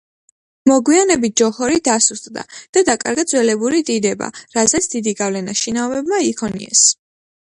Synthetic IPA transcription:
mɔɡwianɛbit̪̚ʰd͡ʒɔhɔɾid̪asust̪ʼd̪a̰d̪̥ad̪akʼa̰ɾɡad̪zwɛlɛbuɾid̪id̪ɛba̰ɾazɛt̪sʰd̪id̪iɡavlɛnaʃinaɔvɛbmaikʰɔnḭɛ̰s

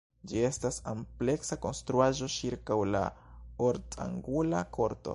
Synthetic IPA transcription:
d͡ʒie̞stasample̞ksako̞nstɾuaʒo̞t͡ʃiɾkawla̰oɾta̰ŋɡula̰kʰo̞ɾto̞̰

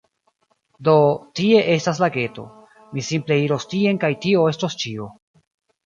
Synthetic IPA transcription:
do̞tie̞ʔe̞stas̬laɡe̞to̞̰ | misimple̞iɾo̞stie̞nkajtio̞e̞stost͡ʃio

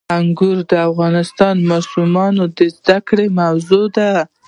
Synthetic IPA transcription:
aŋɡuɾd̪əafɣɑnɪst̪ɑnmɑsumɑnod̪əzd̪akɽemawzod̪a

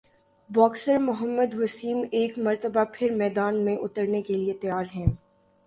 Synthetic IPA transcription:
bɔːksəɾmʊɦəmːəd̪ʋɐsiːmeːkmɐɾt̪əbapʰɪɾmɛːd̪aːnmẽʔʊt̪əɾnekeliet̪ɐjaːɾɦɛ̃ː

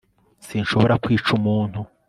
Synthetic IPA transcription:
sinʃoβo̞ɾakwiːt͡ʃumuːn̥hu

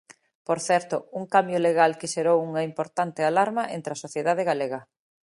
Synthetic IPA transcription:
poɾθɛɾt̪ʊuŋkambjoleɣalkɪʃeɾowuŋɐimpoɾt̪ant̪ɪalaɾmɐʔḛnt̪ɾɐsoθjeðaðeɣaleɣɐ

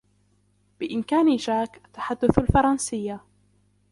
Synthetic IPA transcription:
b̥ɪʔɪmkaːniʒaːkʔat̪ːḁħad̪ːʊθalfɑɾˤɑnsɪjːa

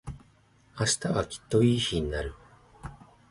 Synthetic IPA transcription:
aɕi̥t̪aβakʲi̥t̪ːo̞iːçiɲ̟inaɾɯ̟

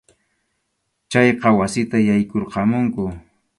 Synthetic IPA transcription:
t͡ʃajqɑwasɪt̪ajajkoɾqɑmʊŋkʊ

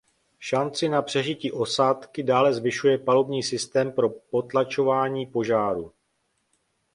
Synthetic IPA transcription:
ʃant͡sɪnapr̝̥ɛʒɪciːʔo̞saːt̪kɪdaːlɛzvɪʃujɛpalo̞bɲiːsɪst̪ɛːmpɾo̞po̞t̪lat͡ʃo̞vaːɲiːpo̞ʒaːɾu

